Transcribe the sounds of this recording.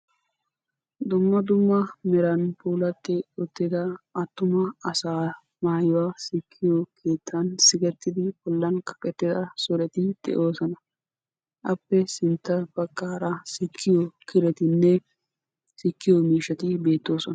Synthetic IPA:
d̪ʊmːɐd̪ʊmːɐmɛɾɐnpuːlɐt̪ːɪʊt̪ːɪd̪ɐɐt̪ːʊmɐɐsaː | maːjwaːsɪkʰːɪjɔkʰe̞ːt̪ʰːɐnsɪɡɛt̪ːɪd̪ɪbɔlːɐnkɐ̥kʼːɛt̪ːɪd̪ɐsɔɾɛt̪ɪd̪̥ɛ̰ʔo̞ːsɔnɐ | ʔɐpːɛsɪnt̪ːɐfɐkːaːɾɐsɪkʰːɪjɔkʰɪɾɛt̪ɪnːɛ | sɪkːɪjɔmiːʃɐt̪ɪbe̞ːt̪ːo̞ːsɔnɐ̥

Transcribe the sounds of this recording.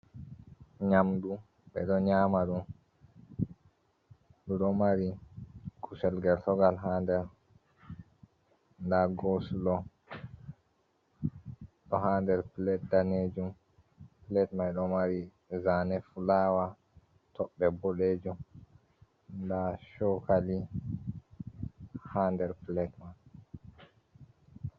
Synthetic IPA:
ɲamdu | ɓɛ̰ɗɔɲaːmaɗum | ɗuɗɔmaɾikʰusɛlɡɛltɔɡalɦaːndɛɾ | ndaɡosulɔ | ɗɔhaːndɛɾplɛt̚daned͡ʒum | plɛtmajɗɔmaɾi | zanɛfulaːwa | tʰɔɓːɛboɗeːd͡ʒum | ndaʃɔkali | handɛɾplɛtman

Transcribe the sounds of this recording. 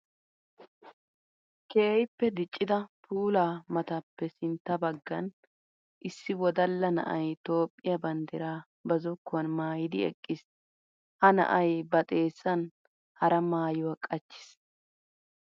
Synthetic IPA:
keːjɪpːɛd̪ɪt͡ʃʼːɪd̪ɐpʰuːlaːmɐt̪ɐpːɛsɪnt̪ːɐbɐɡːɐn | ʔɪsːɪwɔd̪ɐlːɐnɐ̰ʔɐ̰jt̪o̞ːpʼːɪjɐbɐnd̪ɪɾaː | bɐzɔkːʊwɐnmaːjɪd̪ɪɛ̰kʼːɪs | hɐnɐ̰ʔɐjbɐt̪ʼe̞ːsːɐn | hɐɾɐmaːjɔwɐkʼɐt͡ʃːɪ̥s

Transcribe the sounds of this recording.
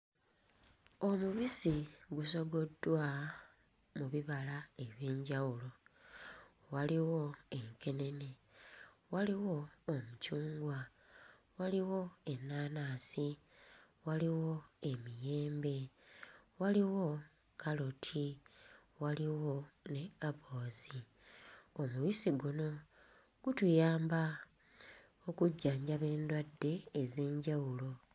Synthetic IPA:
omuβisiɡuso̞ɡo̞dːwa | muβiβalae̞βjiːɲɟawulo̞ | waliwo̞e̞ŋke̞ne̞ne̞ | waliwo̞ːmucuːŋɡwa | waliwo̞e̞nːaːnaːsi | waliwo̞e̞mije̞ːmbe̞ | waliwo̞ | kalotʰi | waliwo̞ne̞kaβo̞ːzi | omuβisiɡuno̞ | ɡ̥utujaːmba | okuɟːaːɲɟaβe̞ːndwadːe̞ːze̞ːɲɟawulo̞

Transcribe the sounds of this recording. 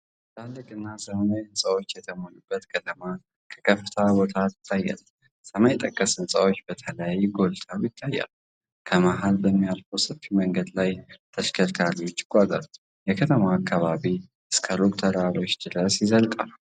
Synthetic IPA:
t̪ʰalːɨkʼɨnːasəmmajɨnsʼawo̞t͡ʃːjɛt̪ʰəmonubːət̪kʰət̪ʰəma | kʰə̥kʰəft̪ʰabo̞t̪ʰat̪ɨ̥t̪ʰːajːa̰l | səmajt̪ʼəkʼːəsɨnsʼawot͡ʃːbət̪ʰələjajɡo̞lt̪ʼʰajɪt̪ʰːajːa̰l | kʰəmaɦalbəmːijalfowsɨfiməŋɡəd̪lajt̪ʰəʃkʰəɾt̪ʰaliwot͡ʃːɪ̥kʷʼːaza̰ɾ | jɛkʰət̪ʰəmaːkːaβaβi | ɨskʰəɾokʼt̪ʰəɾalo̞t͡ʃːd̪ɨɾəsjɪzəlk̪ʼa̰lu

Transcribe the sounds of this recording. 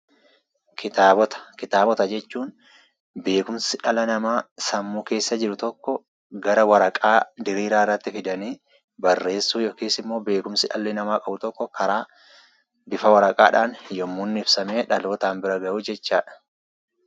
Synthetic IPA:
kʰɪt̪aːbɔt̪ɐ̥kɪt̪aːbɔt̪ɐd͡ʒɛt͡ʃːuːn | be̞ːkʊmsɪᶑɐlɐnɐmaːsɐmːuːke̞ːsːɐd͡ʒɪɾʊt̪ɔkːɔ | ɡɐɾɐwɐɾɐkʼaːd̪ɪɾiːɾaːɪrːɐt̪ːɪfɪd̪ɐniː | bɐrːe̞ːsːuːjɔkeːsɪmːo̞ːbe̞ːkʊmsɪᶑɐ̰lːɪnɐmaːkʼɐbʊt̪ɔkːɔkʰɐɾaː | bɪfɐwɐɾɐkʼa̰ːᶑaːnjɔmːunːɪɪfsɐme̞ːᶑɐloːt̪aːmbɪɾɐɡɐʔuːd͡ʒɛt͡ʃːaːᶑɐ̥

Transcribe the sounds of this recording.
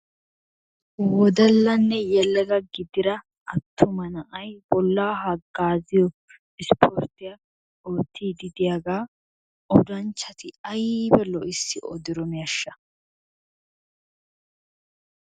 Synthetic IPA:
wɔd̪ɐlːɐnːɛjɛlːɛɡɐɡɪd̪ɪɾɐː | t̪ʰːʊmɐnɐʔɐjbɔlːaːɦɐɡaːzɪjɔ | ɪspʰɔɾt̪ɪjɐ | oːt̪ʰːiːd̪ɪd̪ɪjaɡaː | ʔɔd̪ɐnt͡ʃːɐt̪ʰɪɐjbɛlɔʔɪsːɪɔ̰d̪ɪɾɔmɪjɐʃːɐ

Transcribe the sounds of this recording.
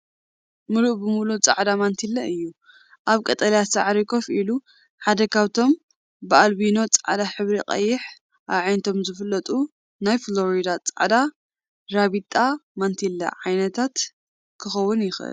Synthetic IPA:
mɨluʔbɨmulut͡sʼa̰ʕd̪amant̪ʰilːɐɨjːu | ʔaβkʼɐt̪ʼɐljasaʕɾikʰo̞fʔilu | ħad̪ɐkʰaβt̪ʰo̞m | bɨalbino̞t͡sʼaʕd̪aħɨβɾiqʼɐ̰jːɪħ | ʔaβʕajnt̪ʰo̞mzɨfɨlːɐt̪ʼu | najflo̞ɾid̪at͡sʼaʕd̪a | ɾaβit̪ʼamant̪ʰilːɐ̰ʕajnɐt̪ʰat̪ | kʰɨxɐwːʊnjɪxʔɨ̰l

